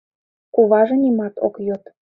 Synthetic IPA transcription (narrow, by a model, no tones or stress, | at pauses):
kuβɑʒɤ̆nimɑt̪o̰kjot̪